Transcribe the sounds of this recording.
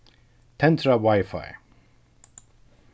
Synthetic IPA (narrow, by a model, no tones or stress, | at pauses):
t̪ʰɛ̃nt̪ʰɹawaɪfa̰j